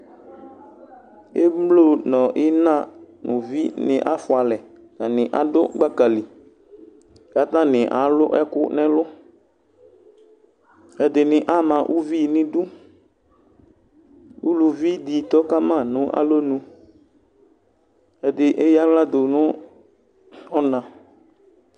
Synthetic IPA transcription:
e˦mlo˦˨nɔ̃˨ʔɪ˦nã˦nʔʊ̃˨vi˦nɪ̰˨ʔa˦fʊ˨a˨lɛ˨ | na˨nɪ̃˨ʔa˨dʊ˦ɡ͡ba˦ka˨li˨ | ka˨˦t̪ã˦nɪ˨ʔa˨˦lʊ˦ʔɛ˦kʊ˦nɛ̃˦lʊ˦ | ɛ˨dɪ˨nɪ˨ʔa˦mã˨ʔu˦vi˦˨nɪ̃˦dʊ˦ | u˦lu˨vi˦d̪i˨t̪ɔ˦ka˦mã˦˨nʊ̃˨˦ʔa̰˦lo˦nũ˧ | ɛ˨dɪ˨ʔɛ˦ja˦la˦d̪ʊ˨nʊ̃˦ | ɔ˦nã˨

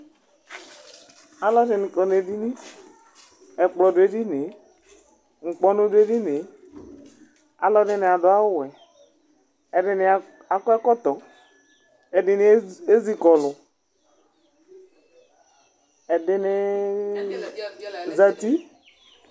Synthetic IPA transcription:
a˦lɔ˦de˨ni˨kɔ˨ne˨di˦ni˦ | ɛ˨k͡plɔ˨de˨di˦ne˨ | ŋ̩˨k͡pɔ˦no˦de˦di˦ne˨ | a̰˦lɔ˦dɪ˦˨nɪ˨a˨dʊ˨˦a˦wʊ˦wɛ˨ | ɛ˨dɪ˨nɪ˨ | a˨kɔ˦ɛ˦kɔ˦tɔ˨ | ɛ˨dɪ˨n˨˦e˦zi˨kɔ˨lʊ˨ | ɛ˨dɪ˨ne˨ | za˨ti˦

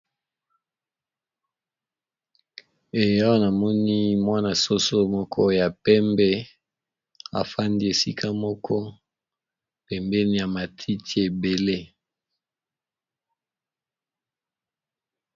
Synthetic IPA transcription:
e˨ja˦wo˦na˨mɔ˦ni˦mwa˦na˨so˦so˦mɔ˦kʰɔ˦ja˨pɛ˦mbɛ˦ | a̰˨fa˦ndi˦e˨si˦kʰa˦mɔ˦kʰɔ˦ | pɛ˨mbɛ˦ni˦ja˨ma˨tʰi˦tʰi˦e˨be˨le˦

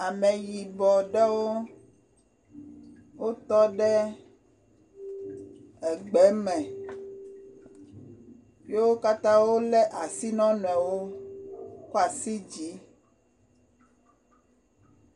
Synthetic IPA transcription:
a˨mɛ˨ji˨bɔ˨ɖɛ˦wo˦ | wo˦t̪ɔ˦ɖɛ˦ | ɛ˨ɡ͡bɛ˨˦mɛ̃˨ | je˦wo˦ka˦t̪ã˦wo˦lɛ˦ʔa˨si˦nɔ̃˦n˨ɛ˨wo˦ | ku˦a˨si˦d͡ʑi˨˦

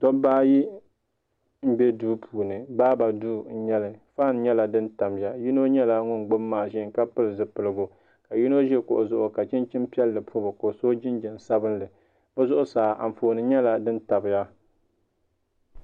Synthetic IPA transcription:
tɔ˦baː˦ji˦ | m̩˦bɛ˦duː˦pʰuː˨nɨ˨baː˦ba˨duː˦n̩˦˨ɲɛ˦lɨ˨faː˦˨n˦ɲɛ˦la˨dɨ˦nta˨mja˦ji˦no˦ɲɛ˦la˦ŋʊ˦nɡ͡bʊ˦mːaː˨ʒɪ˦˨˦ŋka˦pɨ˦lɨ˨zɨ˨pɨ˨lɨ˨ɡʊ˨ | ka˨ji˦no˦ʒɛ˦ko˨ʔʊ˨zʊ˨ʔʊ˨ka˨t͡ʃɪ˦nt͡ʃɪ˦mpi˦ɛ˦lːɨ˨pʰu˦bɨ˨ko˨so˦d͡ʒɪ˦nd͡ʒɛ˨n˨sa˦bɨ˦nlɨ˨ | bɨ˦zʊ˦ʔʊ˦saː˨ʔa̰˨ɱ̩˨foː˨nɨ˨˦ɲɛ˦la˨dɨ˦n˦ta˨bɨ˨ja˦

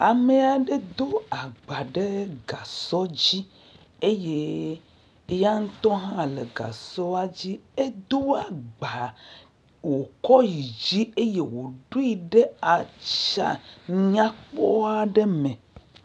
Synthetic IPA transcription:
a˨me˨a˨ɖe˦d̪o˦a˨ɡ͡ba˨ɖe˦ɡa˨sɔ˦d͡ʑi˦ | e˦je˦ | ja˦ŋ̩˦t̪ɔ˦ɦã˦le˨ɡa̰˨sɔ˦a˦d͡ʑi˦e˦d̪o˦a˨ɡ͡ba˨ | wo˨kɔ˦ji˨d͡ʑi˦e˦je˦wo˨ɖo˦i˨ɖe˦a˨t͡ʃa̰˨ɲã˦k͡pɔ˦a˨ɖe˦mɛ̃˨

